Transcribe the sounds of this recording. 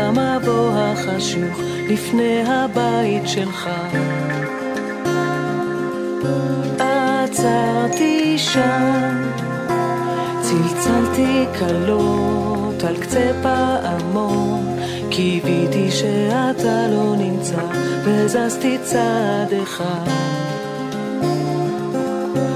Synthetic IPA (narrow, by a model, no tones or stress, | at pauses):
mabo̞ɦaχaʃuχ | lifne̞jɦabait̪ʃelχa | ʔat͡saʁt̪iʃam | t͡silt͡salt̪ikʰalo | t̪alkt͡sepaʔamo̞n | kʰivit̪iʃeat̪alo̞nimt͡savezazt̪it͡sad̪eχa